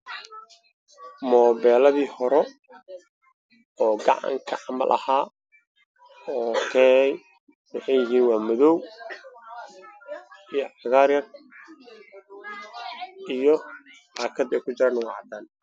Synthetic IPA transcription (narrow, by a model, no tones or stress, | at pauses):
mɔːβɛːlɐðiːhɔɾɛ | ɔːɡɑʕɑ̰ŋkʰɐʕɑmɐ̰lʔɐ̰haː | ɔːkʰɛːnɛj | wɑħɑjɪɦiːnwɑːmɔðɔw | ijɔʕɑɣaːɾjɐr | ijɔ | aːkʰɐd̪ɛjkʰʊd͡ʒɐɾɐnɐwɑ̰ʕɑd̪aːn